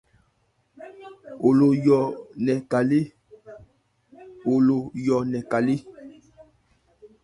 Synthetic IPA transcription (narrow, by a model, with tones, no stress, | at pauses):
o˨lo˨jɔ˨nɛ˨ka˨le˦ | o˨lo˨jɔ˨nɛ˨ka˨li˦